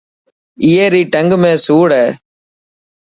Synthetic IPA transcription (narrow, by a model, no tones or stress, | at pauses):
ɪjɐɾiʈɐŋɡɯmeːsuːɽe